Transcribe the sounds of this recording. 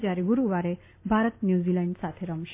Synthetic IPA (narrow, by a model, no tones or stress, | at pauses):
t͡ɕaɾiɡuɾuʋaɾe | bʱaɾət̪njuːzilãɳɖsat̪ʰeɾəmɕ